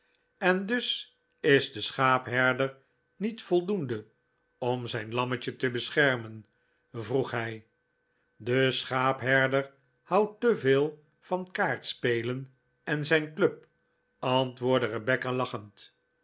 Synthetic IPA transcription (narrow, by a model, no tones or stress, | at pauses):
ɛndʏs | ɪzdəsχaːpɦɛɹdəɹ | nitfɔlˠdundə | ɔmzɛjnlɑməcətəbəsχɛɹmən | vruχɦɛj | dəsχaːpɦɛɹdəɹ | hɑwtəveːlˠ | fɑnkaːɹtspejlən | ɛnzɛjnkløp̚ | ɑntʋʊːɹdərəbɛkalɑχənt